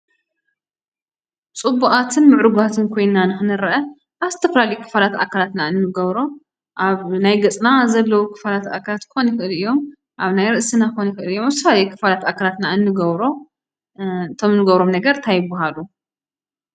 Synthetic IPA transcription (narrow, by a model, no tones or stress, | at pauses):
t͡sʼɨbːuʔat̪ʰɨnmɨʕɾuɡat̪ʰɨnkʰo̞jnːanɨxɨnɨɾɐʔɐ | ʔaβzɨt̪ʰɐfɐlalijukʰːɨ̥falat̪ʔa̰kʰalat̪naɨnːɨɡɐβɾo̞ | ʔaβnajɡɐt͡sʼnazɐlːɐwukʰɨ̥falat̪a̰kʰalat̪kʰɨxonjxɨʔɨlijːo̞m | ʔaβnajɾɨʔsinakxonjxɨʔɨlijːomaβzɨt̪ʰɐflalɐjukʰːɨ̥falat̪akʰalat̪naɨnːɨɡɐβɾo̞ | t̪ʰomɨnːɨɡɐβɾo̞mnɐɡɐɾt̪ʰajɪbːaɦalu